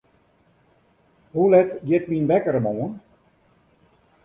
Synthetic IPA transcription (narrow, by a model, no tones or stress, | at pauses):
hulɛtɡjɪt̚minbɛkəɾəmoːən